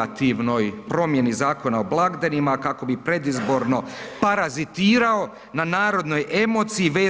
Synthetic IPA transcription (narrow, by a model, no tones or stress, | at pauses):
at̪iʋno̞jpɾo̞mje̞nizaːko̞naoblˠaɡd̪animakako̞bipɾe̞d̪izbo̞ɾno̞paɾazit̪iːɾao̞ | nanaːɾo̞d̪no̞je̞mo̞t̪siiʋeː